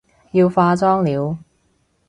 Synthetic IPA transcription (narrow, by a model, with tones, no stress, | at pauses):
jiː˧wfaː˧t͡sɔː˥ŋliː˨˧w